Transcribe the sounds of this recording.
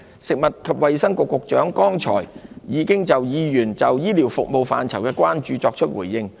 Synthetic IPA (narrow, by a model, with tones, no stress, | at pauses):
sɪ˨k̚mɐ˨t̚kʰɐ˨p̚wɐ˨jsɐ˥ŋkʊ˨˧kːʊ˨k̚t͡ʃœː˨˥ŋkɔː˥ŋt͡ʃʰɔ̰ː˨˩jjiː˨˧kɪ˥ŋt͡sɐ˨wjiː˨˧jyː˨˩nt͡sɐ˨wjiː˥li˨˩wfʊ˨k̚mo˨wfa̰ː˨nt͡sʰɐ˨˩wkɛː˧kʷwaː˥nt͡ʃyː˨˧t͡sɔː˧k̚t͡ʃʰɵ˥t̚wṵː˨˩jːɪ˧ŋ